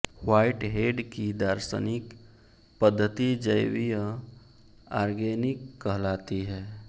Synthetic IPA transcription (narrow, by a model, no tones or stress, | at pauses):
waːɪʈɦeːɖkid̪aːɾsə̰nɪk | pəd̪ʱːət̪id͡ʒəjwijə | aːɾɡeːnɪkːəɦlaːt̪iɦɛː